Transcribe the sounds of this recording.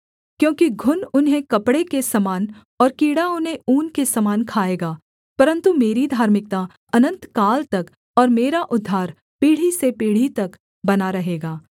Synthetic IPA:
kjõːkiɡʱʊnʊnɦẽkɐpɽekesɐmaːn | ɔːɾkiːɽaʊnɦẽuːnkesɐmaːnkʰaːeːɡaː | pɐɾə̃nt̪umeːɾid̪ʱaːɾmɪk̚t̪a | ɐnə̃nt̪kaːlt̪ɐk | ɔːɾmeːɾaʔʊd̪ʱːaːɾ | piːɽ̤isepiːɽ̤it̪ɐk | bɐnaɾɐɦeːɡaː

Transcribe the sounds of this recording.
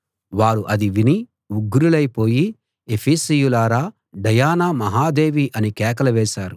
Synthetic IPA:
ʋaːɾuʔɐd̪iʋini | uɡːuɾulɐjpo̞ːji | epʰiːsijulaːɾaː | ɖɐjaːnaːmɐɦaːd̪e̞ːʋiʔɐnikɛːk̬ɐlɐʋɛːʃaːɾu

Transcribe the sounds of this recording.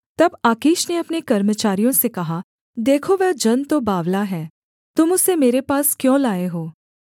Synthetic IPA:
t̪ɐbaːkiːʃneɐpnekɐɾmət͡ʃaːɾijõsekɐɦa | d̪eːkʰoʋɛːd͡ʒɐnt̪obaːʋlaɦɛː | t̪ʊmʊsemeːɾepaːskjõːlaːeɦoː

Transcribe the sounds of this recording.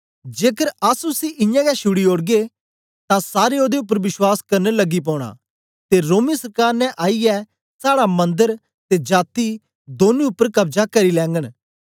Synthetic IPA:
d͡ʒeːkəɾaːsusiʔɪ̃jãɡɛʃʊɽioːɽɡe | t̪ãsaːɾeoːd̪eʊp̬ːəɾʋɪswaːskɐɾnelɐɡip̬ɔːɽ̃a̰ː | t̪eɾoːmisɐɾkaːɾnɛ̃ʔaːijɛ | saːɽamɐ̃nd̪əɾ | t̪ed͡ʒaːt̪i | d̪oːnĩʊpːəɾkɐbd͡ʒakɐɾilɛ̃ːŋɡəɽ̃

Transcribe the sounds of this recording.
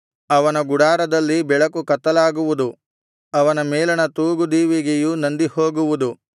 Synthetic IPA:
ɐʋɐnɐɡuɽaːɾɐd̪ɐlːibɛɭɐkukɐt̪ːɐlaːɡuʋud̪u | ɐʋɐnɐmeːlɐnɐt̪uːɡud̪iːʋiɡejunɐnd̪ihoːɡuʋud̪u

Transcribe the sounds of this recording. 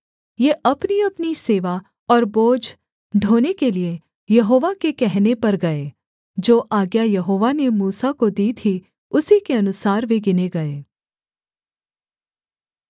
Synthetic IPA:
jeːʔɐpniɐpniseːʋa | ɔːɾboːd͡ʒ | ɖʱoːnekelie | jɐɦoːʋakekɛɦnepɐɾɡɐeː | d͡ʒoːʔaːɡjajɐɦoːʋanemuːsakod̪iːt̪ʰi | ʊsikeɐnʊsaːɾʋeɡɪneɡɐeː

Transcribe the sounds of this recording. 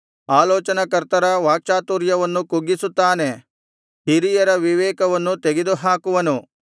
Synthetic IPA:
aːlɔːt͡ʃɐnɐkɐɾt̪ɐɾɐʋaːk̚t͡ʃaːt̪uːɾjɐʋɐnːukuɡːisut̪ːaːne̞ | hiɾijɐɾɐʋiʋɛːkɐʋɐnːut̪eɡed̪uɦaːkuʋɐnu

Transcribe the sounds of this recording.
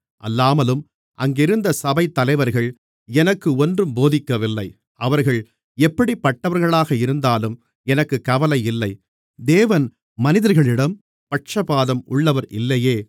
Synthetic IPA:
ʔɐ̰lːaːmɐlɯm | ʔɐ̰ŋɡɪɾɯnd̪ɐsɐbɐɪt̪ːɐlɐɪʋɐɾɣɐɭ | ɛnɐkːɯɔndrɯmboːðɪkːɐʋɪlːɐɪ | ʔɐʋɐɾɣɐɭ | ɛpːɐɽipːɐʈːɐʋɐɾɣɐɭaːɣɐɪɾɯnd̪aːlɯm | ɛnɐkːɯkːɐʋɐlɐɪɪlːɐɪ | d̪eːʋɐn | mɐnɪðɐɾɣɐɭɪɽɐm | pɐʈ̚t͡ʃɐbaːðɐmʊɭːɐʋɐɾɪ̰lːɐjeː

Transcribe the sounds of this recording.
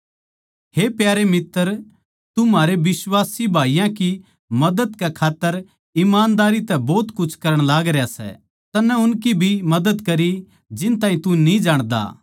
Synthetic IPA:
heːpjaːɾemɪt̪ːəɾ | t̪umaːɾeʋɪswaːsibʱaːijãki | mɐd̪əd̪kekʰaːt̪ːəɾ | ɪmaːnd̪aːɾit̪ɛbɔːt̪kʊt͡ʃʰkɐɾəɽ̃laːɡɾejasɛ̰ | t̪ɐnɛʊnkibʱimɐd̪əd̪kɐɾi | d͡ʒɪnt̪aːĩt̪unĩd͡ʒaːɽ̃d̪a̰ː

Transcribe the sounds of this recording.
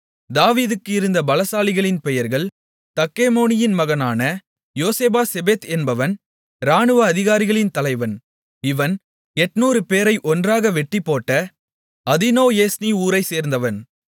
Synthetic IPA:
d̪aːʋiːðɯkːɯɪɾɯnd̪ɐbɐlɐsaːlɪɣɐɭɪnpɛjɐɾɣɐɭ | t̪ɐkːeːmoːnɪjɪnmɐɣɐnaːnɐ | joːseːbaːsɛbeːt̪ɛnbɐʋɐn | ɾaːnɯʋɐːðɪɣaːɾɪɣɐɭɪnt̪ɐlɐɪʋɐn | ɪʋɐn | ɛʈnuːɾɯpeːɾɐɪʔɔndraːɣɐʋɛʈːɪpːoːʈːɐ | ɐðɪnoːjeːsniuːɾɐɪseːɾnd̪ɐʋɐn

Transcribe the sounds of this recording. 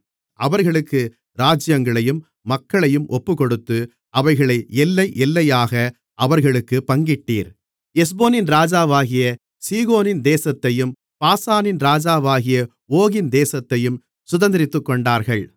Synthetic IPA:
ʔɐʋɐɾɣɐɭɯkːɯ | ɾaːd͡ʒɪjɐŋɡɐɭɐjɯmː | ɐkːɐɭɐjɯmʔɔpːɯkɔɽɯt̪ːɯ | ʔɐʋɐɪɣɐɭɐɪɛlːɐɪʔɛlːɐjaːɣɐ | ʔɐʋɐɾɣɐɭɯkːɯpɐŋɡɪʈːiːɾ | ɛs̬boːnɪnɾaːd͡ʒaːʋaːɣɪjɐ | siːɣoːnɪnd̪eːsɐt̪ːɐjɯm | paːsaːnɪnɾaːd͡ʒaːʋaːɣɪjɐ | oːɣɪnd̪eːsɐt̪ːɐjɯm | sʊðɐnd̪ɪɾɪt̪ːɯkːɔɳɖaːɾɣɐɭ

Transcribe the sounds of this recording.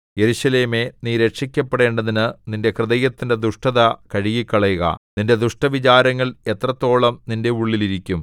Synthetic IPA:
jeɾuɕɐle̞ːme̞niːɾekʂikʲːɐpːeɽe̞ːɳɖɐðinɨninde̞krɨðɐjɐt̪ːinde̞d̪uʂʈɐðɐkɐɻiɣikʲːɐɭɐjuɣɐ̰ninde̞d̪uʂʈɐʋit͡ɕaːɾɐŋːɐɭe̞t̪rɐt̪ːo̞ːɭɐmninde̞uɭːiliɾikʲːum

